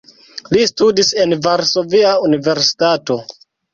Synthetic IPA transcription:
listudise̞nvaɾso̞viaunive̞ɾsi̥tato̞

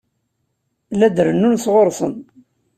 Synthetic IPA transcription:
læd̪ɾənːunsʁoɾˤsˤə̰n

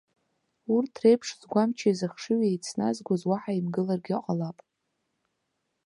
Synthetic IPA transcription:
urtʰrejpʰʂz̥ɡʷamt͡ʃʰaizɨχʂɨɥejt͡sʰna̰zɡʷozwaħaimɡɨlarɡʲqʼalapʼ

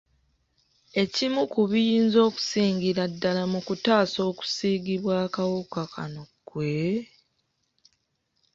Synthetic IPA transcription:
e̞cimukuβijiːnzo̞ːku̥siːŋɡiɾadːalamukutaːso̞ːku̥siːɡiβwaːkawukakʰa̰nokːwe̞

